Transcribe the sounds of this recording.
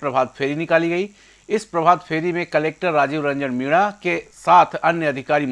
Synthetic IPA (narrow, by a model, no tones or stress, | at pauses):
pɾɐbʱaːd̪̚pʰeːɾinɪkaːliɡɐi | ɪspɾɐbʱaːd̪pʰeːɾimẽkɐleːk̚ʈəɾːaːd͡ʒiːʋɾɐ̃ɲd͡ʒənmiːɽ̃akesaːt̪ʰɐnjəɐd̪ʱɪkaːɾim